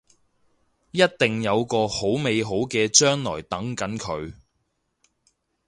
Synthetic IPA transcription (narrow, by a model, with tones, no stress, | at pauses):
jɐ˥t̚t̪ɪ˨ŋjɐ˨˧wkɔː˧ho˨˥wme˨˧jɦo˨˥wkɛː˧t͡ʃœː˥ŋlɔ̰ː˨˩jt̪ɐ˨˥ŋkɐ˨˥nkʰɵ˨˧ɥ